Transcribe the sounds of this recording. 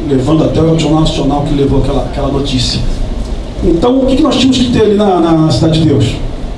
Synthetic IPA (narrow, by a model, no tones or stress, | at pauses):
levɐ̃nd̪ʊat̪ɛaʒonawnasionawkɪlevowakɛlɐakɛlɐnot͡ʃisjɐ | ẽnt̪ɐ̃w̃ʊkɪkɪnɔst͡ʃĩɐmʊzkɪt̪ealinɐnɐnɐsid̪ad͡ʒɪd͡ʒɪd̪ews